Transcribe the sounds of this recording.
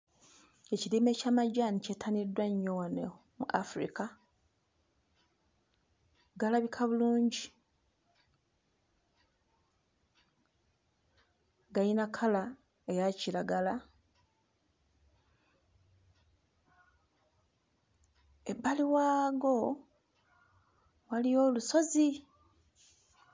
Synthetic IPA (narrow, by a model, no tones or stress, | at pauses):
e̞ciliːme̞ːcamaɟanicetʰanidwaɲːowane | mṵʔa̰fɾḭka | ɡalaβikʰaβuluːɲɟi | ɡajinakʰala | ejacilaɡala | e̞bːaliwaːɡo̞ | walijo̞ːluso̞zi